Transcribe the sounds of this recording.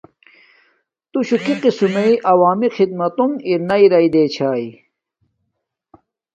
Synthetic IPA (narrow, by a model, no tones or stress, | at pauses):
t̪uɕukiqisumeiʔɐwaːmixid̪̚mɐt̪umiɾnɐiɾɐid̪eːt͡ɕʰaːi